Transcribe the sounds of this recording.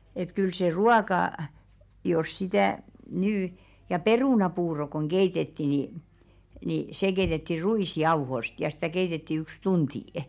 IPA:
et kyl se ruɑkɑ jos sitæˑ nyː jɑ peruˑnɑpuːro koŋ ɡ̊eitetːi ni ni se keitetːi ruiˑsjɑuhost jɑ stæˑ keitetːi yks tuntiˑ

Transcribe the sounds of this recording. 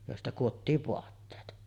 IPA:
joˑestɑ kuotːiːʋ ʋoɑtːeːt

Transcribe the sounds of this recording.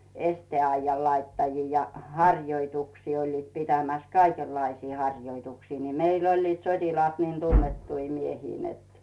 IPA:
esteˑɑijːɑl lɑitːɑjiː jɑ hɑrʲjoituksiː olʲliːt pitæmæs kɑikelːɑisiː hɑrʲjoituksiː ni meilː olʲliːt sotʲilɑːt niːn tunːetːui miehiː net

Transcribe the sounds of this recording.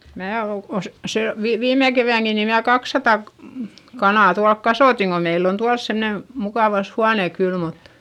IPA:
mæː o os se ʋi ʋiːme keʋæˑŋki ni mnæː kɑksːɑtɑ kɑnɑˑ tuɑlk kɑsoˑtiŋ ko meilː on tuɑls semne mukɑˑʋɑs huɑne kyl mut

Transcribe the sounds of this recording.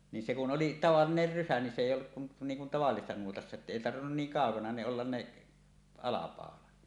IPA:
ni se kun oli tɑʋɑlːiner rysæ ni se eˑijˑ olːuk kun niːŋ kun tɑʋɑlːisesːɑ nuotɑsːɑ etːæ eˑi tɑrʋinːun niːŋ kɑˑokɑnɑ ne olːɑn ne ɑlɑpɑˑolɑt

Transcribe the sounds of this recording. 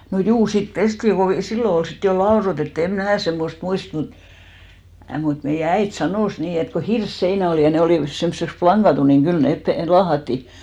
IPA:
no juː sit pestiŋ ko silːo ol sit jo lɑorotetːŭ em mnæː semːost muist mu mut meijæ æit sɑnoˑs niː et ko hirsːeinæ oliˑ jɑ ne oliˑʋɑs semsːeks plɑŋɡ̊ɑtu niŋ ɡ̊yl neˑp pe lɑːhɑtːi

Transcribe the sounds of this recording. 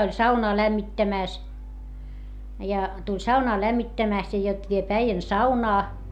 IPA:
olʲ sɑunɑː læmːitːæmæˑs jɑ tulʲ sɑunɑː læmːitːæmæˑst jɑ jot ʋiep æijæn sɑunɑː

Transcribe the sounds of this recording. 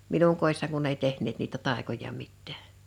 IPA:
minuŋ koˑi̞sːɑŋ kunː ei tehnˑeːt niːtæ tɑˑekojɑ mitːæ̥ː

